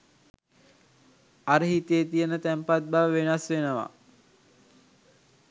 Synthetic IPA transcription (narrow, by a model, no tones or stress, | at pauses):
aɾəɦit̪əjet̪ijənət̪æmpat̪̚baːʋenasʋenəʋa̰